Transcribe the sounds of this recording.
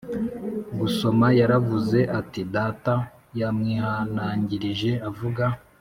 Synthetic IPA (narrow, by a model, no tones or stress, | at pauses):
ɡuso̞majaɾavuze̞ʔatidaːta | jamŋiːhanaːɲɟiɾiʒe̞avuɡa